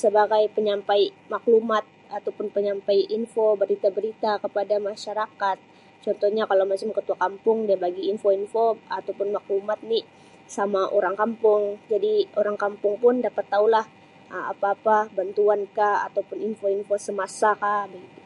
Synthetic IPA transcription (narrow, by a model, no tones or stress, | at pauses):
səbaɡajpəɲampajmaklumat̪̚at̪awpʊnpəɲampajinfobəɾit̪abəɾit̪akəpadamaʃaɾakat̪̚ | t͡ʃɔnt̪ɔhɲakalawmat͡ʃɪmkət̪uakampʊŋdiabaɡiːnfoinfoat̪awpʊnmaklumat̪̚ni | samaʔoɾaŋkampʊŋd͡ʒadioɾaŋkampʊŋpʊndapat̪ːaulah | əa̰paːpabant̪uankaa̰t̪awpʊninfoinfosəmasakabəɡit̪u